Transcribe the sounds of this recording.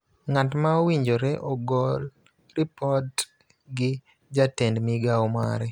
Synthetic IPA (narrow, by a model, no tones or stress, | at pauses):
ŋatmaowiɲd͡ʒoɾɛʔɔɡɔl | ripɔt | ɡɪ | d͡ʒatɛndmɪɡaoma̰ɾɛ